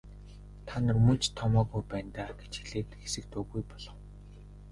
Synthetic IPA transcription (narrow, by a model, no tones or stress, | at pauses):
t̪ʰanɘ̆rmɵt͡ɕt̪ʰːɔmɔːɣujpæːnt̪aːɡe̥t͡ɕxiɮeːt̪xesɘ̆k̚t̪ɵːɣujpɔɮɞ̆w